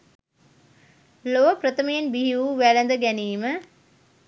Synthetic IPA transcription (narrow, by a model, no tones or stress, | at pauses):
loʋəpɾət̪əməjenbiɦiuːʋælənd̪əɡæniːmə